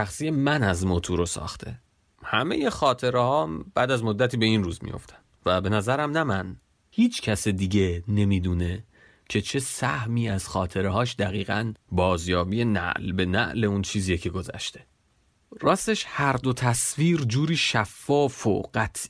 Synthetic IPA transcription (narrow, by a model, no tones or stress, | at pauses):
æxsiːjemænæzmot̪ʰuɾosɒ̰ːxt̪ʰe̞̰ | hæme̞̰je̞xɒːt̪ʰe̞ɾehɒːmb̥æːd̪æzmo̞d̪ːæt̪ʰiːbe̞inruːzmḭjo̞̰ft̪ʰæ̥nvæbe̞næzæɾæmnæmæn | hiːt͡ʃʰcʰæsed̪iːɟe̞ne̞miːd̪uːne̞ | cʰe̞t͡ʃʰe̞sæhmiːæz̥xɒːt̪ʰe̞ɾeɦɒːʃd̪æɣiːɣænbɒːzjɒːbiːe̞næ̰ʔlbe̞næ̰ʔle̞unt͡ʃʰiːziːecʰe̞ɡo̞zæ̰ʃt̪ʰe̞̥ | rɒːst̪e̞ʃhæɾd̪o̞t̪ʰæsviːɾd͡ʒuːɾiːʃæfːɒːfo̰ɢ̥æt̪ʰ